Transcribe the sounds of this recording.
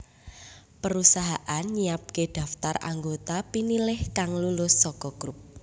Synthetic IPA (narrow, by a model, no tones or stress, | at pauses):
pəɾusaɦaʔanɲiap̚keɖ̪̥a̤ft̪ara̰ŋɡot̪apinilɪhkaŋlulʊsːɔkɔɡ̥ɾup̚